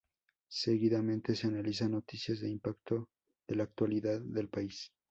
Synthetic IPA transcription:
se̞ɣiðamẽ̞nt̪e̞seanalis̬anːo̞t̪isjazðe̞impakt̪o̞ | ðe̞laːk̚t̪waliðaðːe̞lpais

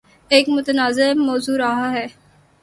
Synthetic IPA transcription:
eːkmʊt̪ənaːzɪmɔːzuːɾaɦaɦɛː

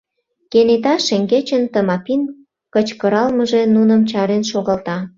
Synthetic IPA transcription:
kenet̪ɑʃeŋɡet͡ɕənt̪əmɑpin | kət͡ɕkəɾɑlməʒenunəmt͡ɕɑɾenʃoɣɑlt̪ɑ

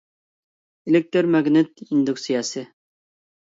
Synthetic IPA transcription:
elɪk̚t̪ʰɨɾmɛɡnɪt̪ind̪uksijɑːsɨ

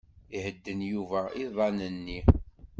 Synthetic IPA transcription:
ihəd̪ːənjuvæiðˤɑnənːi

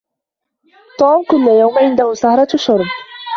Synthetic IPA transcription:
t̪ˤoːmkʊlːajawmʕɪnd̪ahʊsahɾˤɑʃʊɾˤb

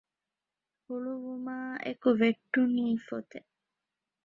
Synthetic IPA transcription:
huluʋumaːḛkuʋeʈːuniːfot̪e

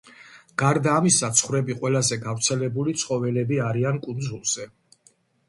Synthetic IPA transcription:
ɡ̥aɾd̪aːmisat̪sʰχwɾɛbiqʼwɛlazɛɡavɾt̪sʰɛlɛbulit̪sʰχɔvɛlɛbiaɾiankʼund̪zulˠz̥ɛ

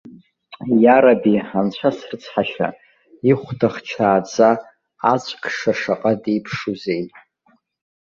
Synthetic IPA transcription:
jaɾabiant͡ɕʷʰasrɨt͡sʰħaʃa̰ | iχʷdaχt͡ʃʰaːd͡za | at͡ʃʷʼkʰʂaʂaqʼadejpʰʂuzejtʼ

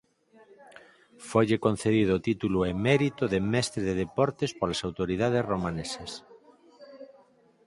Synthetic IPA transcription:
foʎekõnθeðiðoːt̪it̪uluemeɾit̪oðemɛst̪ɾeðeðepɔɾt̪espolasawt̪oɾiðað̞esromãnesas

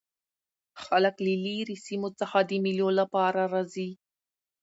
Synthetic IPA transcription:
xaləkliliɾisimot͡səxad̪əmiljolapɑɾaɾɑzi

